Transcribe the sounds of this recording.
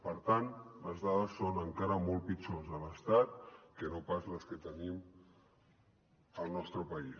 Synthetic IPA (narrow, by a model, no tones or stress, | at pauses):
pəɾt̪anləzðaðəsːonəŋkaɾəmolˠpit͡ʃonzələst̪at̪̚kənopazləskət̪ənim | əlˠnɔst̪ɾəpəis